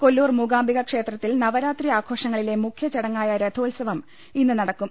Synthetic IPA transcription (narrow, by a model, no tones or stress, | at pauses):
ko̞lːuːrmuɡaːmbiɣɐkʂe̞ːt̪rɐt̪ːilnɐʋɐɾaːt̪riaːkʰo̞ːʂɐŋːɐɭile̞mukʰjɐt͡ɕeɽɐŋːaːjɐɾed̪ʱoːlsɐʋɐm | inːɨnɐɽɐkːum